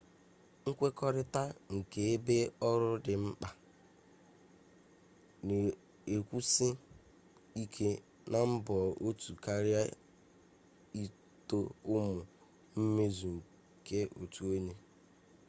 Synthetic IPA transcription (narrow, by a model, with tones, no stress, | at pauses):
ŋ̩˦kʷe˦kɔ˦ɾɪ˦ta˦ŋ̩˨ke˨e˦be˦ɔ˦ɾʊ˦dɪ˨ŋ͡m̩˦k͡pa˨ | ne˨ | e˨kʷu˦sɪ˦ | i˦kʰe˦ | na˨m̩˦bɔ˨o˦tu˨ka˦ɾja˦ | i˦ | to˦ʊ˦mʊ˨ | m̩˦me˦zu˨ŋ̩˨ | ke˦ʔo̰˨tu˨o˦ɲe˦